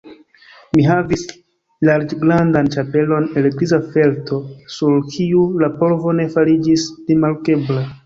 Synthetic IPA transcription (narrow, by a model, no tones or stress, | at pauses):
miɦavis | laɾd͡ʒɡɾandant͡ʃape̞lo̞neleɾizafe̞ltʰo̞suɾkʰiulapo̞ɾvo̞ne̞faɾid͡ʒisɾimaɾke̞bla